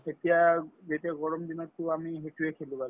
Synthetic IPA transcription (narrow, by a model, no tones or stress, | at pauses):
etijazetiaɡɔɹɔmd̪inɔtːʊamiɦetuekʰelũbal